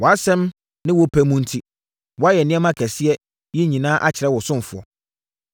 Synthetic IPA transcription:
wɔ˨a˦sɛ̃˦m | nɪ̃˦wɔ˦pʰæ˦mũ˦n̩˦tʰi˦ | wɔ˨˦a˦jɛ˨nɪ̃˦ɛ˦mã˦kʰæ˨sɪ˦ɛ˦ | ji˦ɲĩ˨nãː˦ʔa˦t͡ɕʰɪ˨ɾɛ˦wɔ˨sʊ̃˦m˨fʊ˨ɔ̰˨

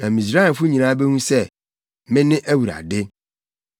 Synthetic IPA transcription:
nã˨mĩ˨s̬ɾa˦˨fʊ˦ɲĩ˨nãː˦bɛ˦nũ˦sɛ˦˨ | mɪ̃˦nɪ̃˦ʔæ˦wu˨ɾa̰˨dɪ˦

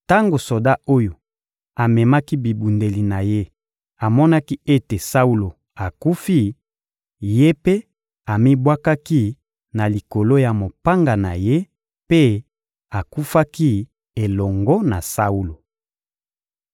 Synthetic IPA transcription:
ta˦ŋɡo˨so˨da˦o˦jo˨ | a˨mɛ˨ma˦ki˦bi˨bu˨nde˨li˨na˨je˦ | a˨mɔ˦na˦ki˦e˦te˨sa˦u˦lo˨ | a˨ku˦fi˦ | je˦pe˦ | a˨mi˦bwa˦ka˦ki˦ | na˨li˨ko˨lo˦ja˨mo˨pa˦ŋɡa˨na̰˨je˦ | pe˦ | a˨ku˦fa˦ki˦ | e˨lɔ˨ŋɡɔ˦na˨sa˦u˦lo˨

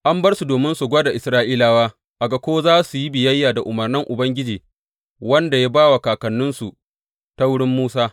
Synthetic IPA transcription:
ʔa˦mbɐ˦rsu˨doː˨mɪ˦nsu˨ɡʷɐː˦da˨ʔɪ˨sɾaː˦ʔiː˦laː˨waː˦ | ʔa˨ɡa˨kʷoː˦zaː˦su˨ji˦bɪ˨jɐ˦jːaː˨da˨ʔʊ˨mɐ˨rnɪ˦ŋʔʊ˨bɐ˦ŋɡʲɪ˦d͡ʒiː˨ | wɐ˦nda˨ja˦baː˦wa˨kaː˨kɐ˨nːʊ˦nsu˨ | ta˦wʊ˦ɽɪ˦mːuː˦saː˦

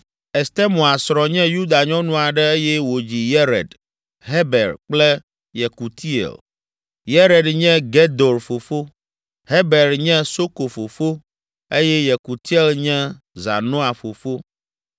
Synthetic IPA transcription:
e˨st̪e˦mõ˨a˨sɾɔ̃˨ɲɛ̃˦ju˦d̪a˨ɲɔ̃˦nũ˦a˨ɖɛ˦e˦jɛ˦wo˨d͡ʑi˨jɛ˦ɾɛ̰˨d̪ | ɦe˦bɛ˨ɾk͡plɛ˦ | jɛ˨ku˨t̪ʰi˦ḛ˨l | je˦ɾɛ˨dɲɛ̃˦ɡe˦d̪o˨ɾfo˨fo˦ | ɦe˦be˨ɾɲɛ̃˦so˦ko˨fo˨fo˦ | e˦jɛ˦jɛ˨ku˨t̪i˦e˦lɲɛ̃˦ | za̰˨nõ˦a˨fo˨fo˦

